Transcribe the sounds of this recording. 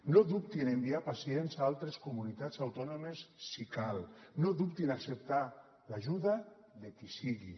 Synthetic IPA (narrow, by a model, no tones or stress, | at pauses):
noðup̚t̪inembiapasienzaalˠt̪ɾeskumunit̪azawt̪ɔnomesːikalnoðupt̪inaksep̚t̪a | laʒuða | ðekisiɣḭ